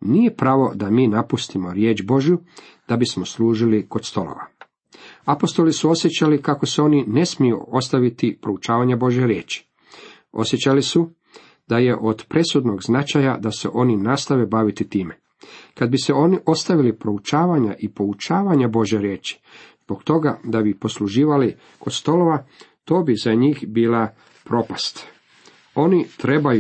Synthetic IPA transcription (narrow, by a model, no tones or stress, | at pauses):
niːjepɾaʋo̞d̪amiːnapust̪imo̞ɾjeːt͡ʃbo̞ʒju | d̪̥abismo̞sluːʒiliko̞d̪st̪o̞lo̰ʋa̰ | apo̞st̪o̞lisuo̞sjet͡ʃalikako̞seo̞ːnine̞smijṵo̞st̪aʋit̪ipɾo̞ut͡ʃaːʋaɲabo̞ʒjeɾjeːt͡ʃi̥ | o̞̰sjet͡ʃalisu | d̪aje̞ʔo̞d̪pɾe̞sud̪no̞ɡznat͡ʃajad̪ase̞̰ʔo̞ninaːst̪aʋebaʋit̪it̪iːme | kad̪̚biseo̞niʔo̞st̪aʋilipɾo̞ut͡ʃaːʋaɲaʔipo̞ut͡ʃaːʋaɲabo̞ʒjeɾjeːt͡ʃi̥zbo̞kt̪o̞ɡad̪abipo̞sluʒiːʋali | ko̞d̪st̪o̞lo̞ʋat̪o̞ːbizaɲiːxbiːla | pɾo̞past̪ | o̞ːnit̪ɾe̞baju